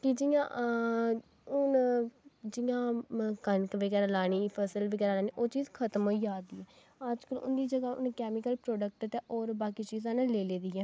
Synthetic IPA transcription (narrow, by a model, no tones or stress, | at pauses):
kɪd͡ʒɪjã̰ː | ʊn | d͡ʒɪjãːkənkʋəɡɛːɾaːlaːɽiːpʰəsəlʋəɡɛːɾaːlaːniːʔoːt͡ʃiːzkʰət̪əmɦoːiːd͡ʒaːd̪iːɛː | əd͡ʒkəlʊ̰nd̪iːd͡ʒəɡaːʔʊ̰nkɛːmɪkəlpɾɔːɖək̚ʈət̪ɛʔɔːɾbaːkiːt͡ʃiːzãːneleːleːd̪iːɛː